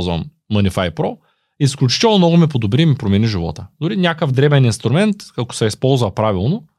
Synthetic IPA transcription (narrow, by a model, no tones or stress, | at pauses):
zvɐ̰mː | ənifajpɾɔ | isklʲʊt͡ʃi̥t̪ɛlˠnomnɔɡʊmipod̪obɾiːmipɾomɛniʒivɔ̰t̪əd̪ʊɾinʲakəvd̪ɾɛbɛninst̪ɾʊmɛnt̪kɐko̥sɛispɔlˠzvɐpɾavilˠno